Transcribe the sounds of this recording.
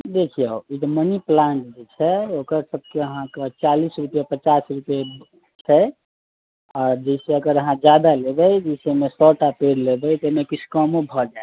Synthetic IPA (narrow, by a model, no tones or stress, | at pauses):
d̪ekʰijəoit̪ɔməniplaɳʈd͡ʒet͡ʃʰɛokəɾsəb̚ʱkeəɦãket͡ʃalisɾupjapət͡ʃasɾupje | t͡ʃʰɛ | ɔːɾd͡ʒəɪseəɡəɾəɦãd͡ʒjad̪alebɛjd͡ʒəɪsemesɔʈapeɾlebɛjt̪emekit͡ʃʰkɔmobʱɔd͡ʒae